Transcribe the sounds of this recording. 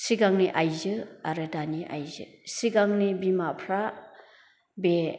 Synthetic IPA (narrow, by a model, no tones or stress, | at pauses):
siɡaŋniʔajzɯaɾɯdaniʔa̰jzɯ̰siɡaŋnibimapʰɾa | be